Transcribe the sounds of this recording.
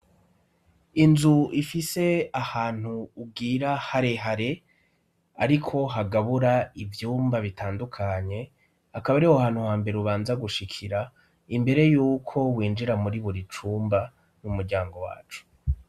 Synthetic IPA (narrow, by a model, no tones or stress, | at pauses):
inzuifise̞ahaːn̥huːb̚ɡiːɾahaɾeɦaɾe̞ | a̰ɾikʰo̞ɦaɡaβuɾaivjuːmbaβitʰaːndukʰaɲe̞ | akaβaɾihohaːn̥huhaːmbe̞ɾeuβaːnzaɡuʃikʰiɾa | imbe̞ɾe̞juːkʰo̞wiːnd͡ʒiɾamuɾiβuɾit͡ʃuːmba | numuɾɟaːŋɡo̞wa̰ːt͡ʃu̥